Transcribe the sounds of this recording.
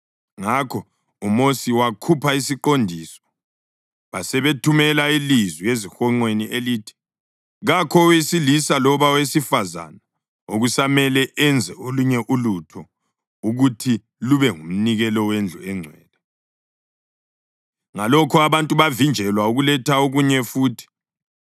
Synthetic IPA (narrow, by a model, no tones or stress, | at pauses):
ŋakʰɔ | umosiwakʰupʰaisiǃondʱiːsɔ̥ | βasɛβetʰumɛlailizwijezixɔŋ͡ǃweniʔeliːtʰi̥ | ɣakʰɔwisilisalɔβawesifaza̰na | oɣusamɛlɛʔɛnd͡zʱɛoluɲɛʔulutʰɔ | uɣutʰi | luβɛŋum̩niɣɛlɔwend͡ɮʱuɛŋ͡ǀʱwɛːlɛ | ŋalɔkʰuaβantʼuβavind͡ʒʱɛlwauɣulɛtʰaoɣuɲɛfuːtʰi̥